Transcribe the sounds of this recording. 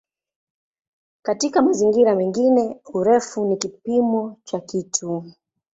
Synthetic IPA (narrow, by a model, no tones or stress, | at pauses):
katikamaziŋɡiɾamɛŋɡinɛuɾɛfunikipimɔt͡ʃakitʰu